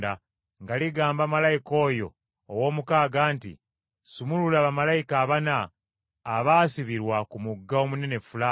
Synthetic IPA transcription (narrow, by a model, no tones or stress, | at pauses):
da | ŋɡaliɡaːmbamalajiko̞ːjo̞̰ː | wo̞ːmukaːɡaːntḭ | sumululaβamalajikaːβanaː | βaːsiβiɾwakumuɡːao̞mune̞ne̞fula